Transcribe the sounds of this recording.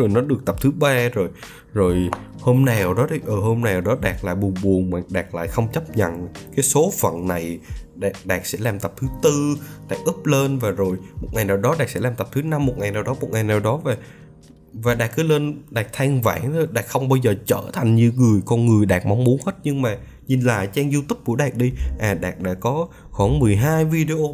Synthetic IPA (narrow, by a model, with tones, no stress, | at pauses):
zo˨˩jnɔ˨˦ɗɨ˨˩ək̚t̪ə˨˩p̚t̪ʰɨ˨˦ɓaː˧zo˨˩j | zo˨˩jho˧mnaː˨˩˨wɗɔ˨˦ɗʔəː˨˩ho˧mna˨˩ɗɔ˨˦ɗaː˨˩k̚la̰ː˧˨jɓu˨˩ənɓu˨˩əŋmaː˨˩ɗaː˨˩k̚la̰ː˧˨jxə˧wŋ͡mt͡ɕə˦˥p̚ɲə̰˧˨nkaː˨˦jso˨˦fə̰˧˨nna˨˩jɗa˨˩ɗaː˨˩k̚sɛ̰˧˥laː˨˩mt̪ə˨˩p̚t̪ʰɨ˨˦t̪ɨ˧ɗaː˨˩k̚ʔɨ˦˥p̚leː˧nvaː˨˩zo˨˩jmo˨˩t̚ŋa˨˩jnaː˨˩wɗɔ˨˦ɗaː˨˩k̚sɛ̰˧˥laː˨˩mt̪p̚t̪ʰɨ˨˦na˧mːo˨˩t̚ŋa˨˩jnaː˨˩wɗɔ˨˦mo˨˩t̚ŋa˨˩jnaː˨˩wɗɔ˨˦vaː˨˩ | vaː˨˩ɗaː˨˩k̚kɨ˨˦leː˧nɗaː˨˩k̚t̪ʰaː˧ŋvaː˧˩ŋt̪ʰo˧jɗaː˨˩k̚xə˧wŋ͡mɓaː˧wzəː˨˩t͡ɕəː˧˩t̪ʰa˨˩jŋ̟ɲɨ˧ŋɨ˨˩əjkɔ˧nŋɨ˨˩əjɗaː˨˩k̚ma˨˦wŋ͡mmu˨˦ənhe˦˥t̚ɲɨ˧ŋmaː˨˩ | ɲi˨˩nla̰ː˧˨jt͡ɕaː˧ŋzu˧t̪ʊ˦˥p̚ku˧˩əɗaː˨˩k̚ɗi˧ʔaː˨˩ɗaː˨˩k̚ɗa̰ː˧˩kːɔ˨˦ | xwaː˧˩nmɨ˨˩əjɦaː˧jvi˧ɗe˧ʔo˧